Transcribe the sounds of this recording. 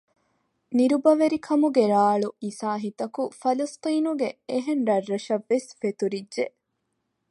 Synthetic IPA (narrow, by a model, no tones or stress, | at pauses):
niɾubɐʋeɾikʰɐmuɡeɾaːɭuiːsaːɦit̪ɐkufɐlɐst̪iːnuɡeeɦenɾɐrːɐʃɐʋːesfet̪uɾidʒe